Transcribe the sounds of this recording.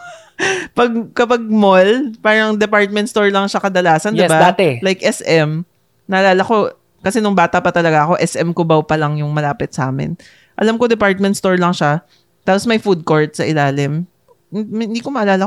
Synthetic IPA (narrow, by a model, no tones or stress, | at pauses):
pɐɡ̚kɐpɐɡ̚molpaːɾɐŋd̪ɛpaɹt̪̚mɛnst̪oɹlɐŋʃakɐd̪ɐlaːsɐnjd̪ɪbad̪at̪ɛlajkʔɛsʔɛm | nɐʔɐlaːlɐko̞ | kɐsɛnʊŋbaːt̪ɐpɐt̪ɐlɐɡaʔɐko̞ʔɛsʔɛmkobɐwpɐlɐŋjʊŋmɐlaːpɪt̪̚sɐʔaːmɪ̰n | ʔɐlamkod̪ɛpaɹt̪̚mɛnt̪st̪oɹlɐŋʃa | t̪aːposmɐjfud̪̚koɹt̪̚sɐʔɪlaːlɪm | ɪɪ̃nd̪iːkomɐʔɐlaːlɐ